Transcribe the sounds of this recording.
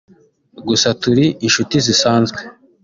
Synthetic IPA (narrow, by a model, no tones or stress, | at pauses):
ɡusatuɾiʔinʃutizisaːnzɡwe